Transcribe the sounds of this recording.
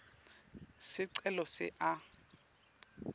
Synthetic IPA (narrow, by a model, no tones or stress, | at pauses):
sɪǀɛlɔsɪ̰ʔa